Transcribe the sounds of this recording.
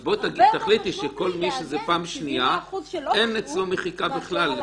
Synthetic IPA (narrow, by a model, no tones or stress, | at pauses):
bot̪aɡit̪aχlit̪iʃeko̞lmiʃezepaːmʃnijaʔenet͡slomeχikabiχlal